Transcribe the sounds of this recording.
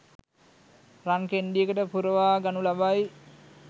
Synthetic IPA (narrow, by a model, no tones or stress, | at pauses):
raŋkenɖijəkəʈəpuɾəʋaːɡanulabaj